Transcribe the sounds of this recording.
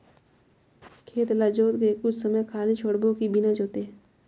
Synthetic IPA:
kʰeːt̪lad͡ʒoːt̪kekʊt͡ʃʰsəməjkʰaːlit͡ʃʰoːɽbokibɪnad͡ʒoːt̪e

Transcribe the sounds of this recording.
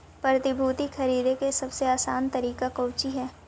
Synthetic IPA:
pɾɾɐt̪ɪbʱuːt̪ixʰɐɾiːd̪ekesɐbseaːsaːnt̪ɐɾiːkakɐːwt͡ʃiɦɛː

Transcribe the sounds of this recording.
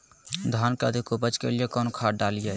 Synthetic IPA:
d̪ʱankəd̪ʱikobət͡ʃkelijekɔnokʰaɖalijɛ

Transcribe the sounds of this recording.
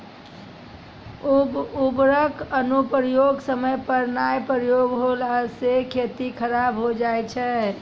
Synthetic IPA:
ubɾəkənupɾəjoɡsəməjpəɾnajpɾəjoɡɦolasekʰet̪ikʰəɾabɦod͡ʒajt͡ʃʰɛ

